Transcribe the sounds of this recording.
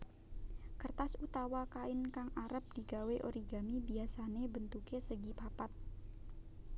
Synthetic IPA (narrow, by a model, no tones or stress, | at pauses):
kərt̪asut̪awakaɪnkaŋʔaɾəp̚d̥i̤ɡaweʔo̰ɾiɡanibiasanebənt̪ukesəɡipapat̪̚